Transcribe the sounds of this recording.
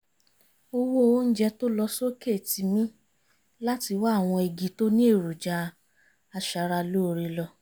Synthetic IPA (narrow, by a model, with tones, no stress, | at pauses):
o˧wo˦˨˦n̩˦d͡ʒɛ˦to˦lɔ˧so˦ke˦˨ti˨˧˦mĩ˦ | la˦ti˧wa˦˨w̃ɔ̃˧e˨ɡi˨to˦nĩ˦e˦˨ɾo˨d͡ʒa˨˧ | a˧ʃa˧˦ɾa˧lo˦o˧ɾi˧lɔ˧